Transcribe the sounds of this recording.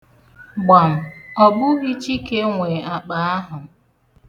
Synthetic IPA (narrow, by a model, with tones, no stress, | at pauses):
ɡ͡ba˨m̩˨ɔ˨bʊ˦ɣi˦t͡ʃi˦ke˦ŋʷe˨a˨k͡pa˨a˦ɦʊ˨